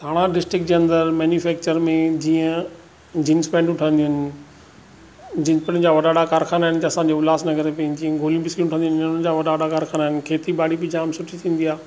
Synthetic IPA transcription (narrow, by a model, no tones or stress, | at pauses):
t̪ʰaːɽ̃aɖɪsʈɾɪk̚d͡ʑeɐ̃nd̪əɾmɛːnjufɛːk̚t͡ɕəɾmẽd͡ʑiːə̃ | d͡ʑɪnspɛ̃ːɳɖʊʈʰə̃nd̪iʊɪnɪ | d͡ʑɪnspɛ̃ːɳd͡ʑaːʋɐɗaɗakaːɾxʰaːnaːɦɪnɪt̪eɐsãːd͡ʑeːʊlaːsnɐɡəɾepɐĩd͡ʑiːə̃ɡʱoːlijũbɪskĩʊʈʰə̃nd̪iʊnʊnəd͡ʑaːʋɐɗaɗakaːɾkʰaːnaːɦɪnɪ̆kʰeːt̪iɓaːɽibɪd͡ʑaːmsʊʈʰit̪ʰĩːn̆d̪iaː